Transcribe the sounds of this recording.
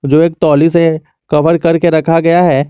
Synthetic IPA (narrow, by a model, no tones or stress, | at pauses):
d͡ʒoːeːk̚t̪ɔːlis̬e | kɐfəɾkɐɾkeɾɐkʰaɡɐjaɦɛː